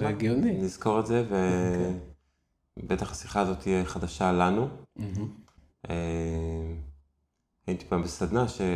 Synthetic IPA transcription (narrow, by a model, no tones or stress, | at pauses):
eɡijoniniz̥ko̞ʁetze̞ve | be̞t̪aχasi̥χaːzo̞t̪iɛχad̪aʃalanu | e | hait̪i̥pambesad̪naʃe